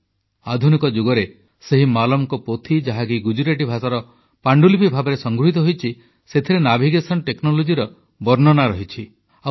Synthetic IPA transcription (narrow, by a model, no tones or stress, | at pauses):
ad̪ʱunikɔd͡ʒuɡɔɾe | seɦimalɔmkɔpot̪ʰid͡ʒaɦakiɡud͡ʒuɾeʈibʱasaɾɔ | paɳɖulipibʱabɔɾesɔŋɡɾuɦit̪ɔɦojt͡ʃʰi | set̪ʰiɾenabʱiɡesɔnʈeknɔlod͡ʒiɾɔ | bɔɾnɔnaɾɔɦit͡ʃʰi | a